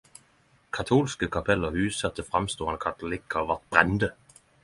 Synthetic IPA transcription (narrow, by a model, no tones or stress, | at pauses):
kʰɑt̪ʰuːlskəkʰɑpʰɛləhʉːsɑt̪əfʁɑmst̪uːɑnəkʰɑt̪ʊlɪkːəɔʋæʁt̪̚b̥ʁɛnd̪ə